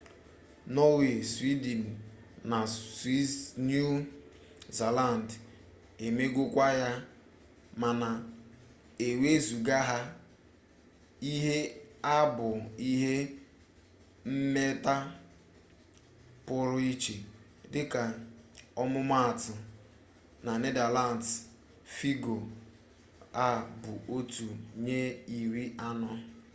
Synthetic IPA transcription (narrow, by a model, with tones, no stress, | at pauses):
nɔ˦we˨swi˦di˨n˨ | na˨si˦nu˦ | za˨la˦˨n̩˨d | e˨me˦ɡʷʊ˦kʷa˦ja˦ | ma˨na˨ | e˨we˦zu˨ɡa˦ɦa˦ | i˦ɦe˦a˦bʊ˨i˦ɦe˦ | m̩˦me˦ta˦ | pʊ˦ɾʊ˦i˦t͡ʃe˨ | dɪ˦ka˨ɔ˦mʊ˦ma˦a˨tʊ˨ | na˨ne˦da˨la˨n˨t | fi˦ɡo˨ | a˦bʊ˨ʔo˦tu˨ɲe˦i˨ɾi˦a˦nɔ˦